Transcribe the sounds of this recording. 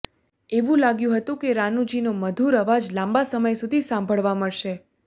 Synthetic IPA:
eʋũlaɡjũɦət̪ũkeɾanud͡ʒinoməd̪ʱuɾəʋad͡ʒlãmbasəməjsud̪ʱisãmbʱəɭʋaməɭʃe

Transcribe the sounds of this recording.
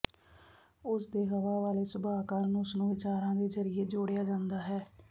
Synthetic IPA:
ʊsd̪eːɦəʋaːʋaːleːsʊbaːkaːɾnʊsnũːʋɪt͡ʃaːɾãːd̪eːzəɾieːd͡ʒoːɽejaːd͡ʒãːnd̪aːɦɛː

